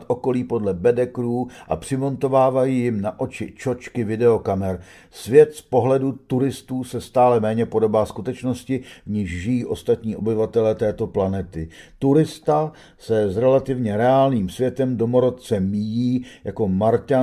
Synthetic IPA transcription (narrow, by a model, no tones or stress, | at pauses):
t̪ʔo̞ko̞liːpo̞dlɛbɛdɛkɾuːʔa̰pr̝̥ɪmo̞nt̪o̞vaːvajiːjɪmnaʔo̞t͡ʃɪ̰t͡ʃo̞t͡ʃkɪvɪdɛo̞kamɛɾ | svjɛt̪spo̞ɦlɛdut̪uɾɪst̪uːsɛst̪aːlɛmɛːɲɛpo̞do̞baːskut̪ɛt͡ʃno̞scɪvɲɪʃʒɪjiːʔo̞st̪at̪ɲiːʔo̞̰bɪvat̪ɛlɛːt̪ɛːt̪o̞planɛt̪ɪt̪uɾɪst̪a | sɛzɾɛlat̪ɪvɲɛɾɛaːlniːmsvjɛt̪ɛmdo̞mo̞ɾot̪̚t͡sɛmijiːjako̞maɾca